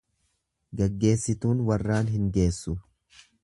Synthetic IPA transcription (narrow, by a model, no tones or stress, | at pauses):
ɡɐɡːe̞ːsːɪt̪uːnwɐrːaːnɦɪŋɡe̞ːsːʊ